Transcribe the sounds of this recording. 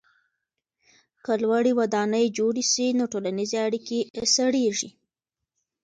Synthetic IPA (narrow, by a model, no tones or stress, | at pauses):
kəlwaɽiwad̪ɑnəjd͡ʒoɽisinoʈolanizeaɽikesaɽeʐi